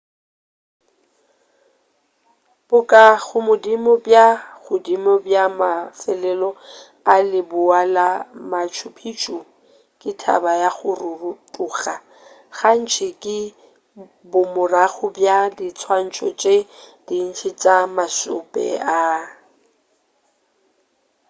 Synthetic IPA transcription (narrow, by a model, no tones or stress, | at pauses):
b̥ʊkʼaɣʊmʊdimɔbjaɣʊdimɔbjamafɛlɛlɔ | alɪbʊalamat͡ʃʰʊpʰit͡ʃʼu | kʼɪtʰa̰bajaɣʊrʊrutʼuːɣa | ɣan̩t͡ʃʰɪkʼɪ | bʊmʊraɣʊbjadɪt͡sʰwan̩t͡ʃʰʼɔ̰t͡ʃʼed̥in̩t͡ʃʰɪt͡ʃʼamasʊ̰pʼɛ̰a